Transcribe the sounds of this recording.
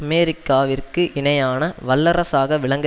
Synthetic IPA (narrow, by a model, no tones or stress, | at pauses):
ɐmeːɾɪkːaːʋɪrkɯʔɪnɐjaːnɐʋɐlːɐɾɐsaːɣɐʋɪɭɐŋɡɐ